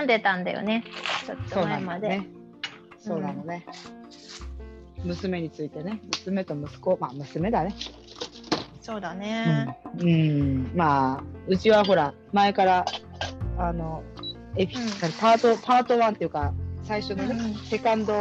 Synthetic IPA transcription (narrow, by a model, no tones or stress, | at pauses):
nd̪e̞t̪ãnd̪a̰jo̰ne̞t͡ɕot̪ːso̞ːamad̪ee | so̞ːnano̞ne̞ | mɯ̟sɨme̞ɲ̟it͡sɨit̪e̞ne̞mɯ̟sɨme̞t̪o̞mɯ̟sɨ̥ko̞mamɯ̟sɨme̞d̪ane̞ | so̞ːd̪aneɯ̃ɯ̟̃ːmaːɯ̟t͡ɕiβaɦo̞ɾa | mae̞kaɾa | ano̞ | epʲi̥anapaːt̪opʰaːt̪o̞βãnt̪e̞jiɯ̟kasaiɕo̞nose̞kãnd̪o